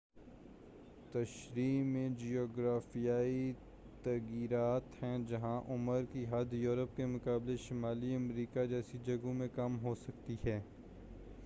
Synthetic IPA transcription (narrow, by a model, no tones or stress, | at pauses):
t̪ɐʃɾiːmẽd͡ʒioːɡɾaːfijaːi | t̪ɐɣiːɾaːt̪hɛ̃d͡ʒɐɦãʔʊməɾkiɦɐd̪ʱjuːɾəp̚kemʊkaːbleʃɪmaːliɐmɾiːkad͡ʒɛːsid͡ʒɐɡõmẽkɐmɦosɐkt̪iɦɛː